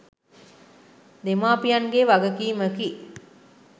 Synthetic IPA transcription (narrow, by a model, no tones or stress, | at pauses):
d̪emaːpijanɡeʋaɡəkiːməki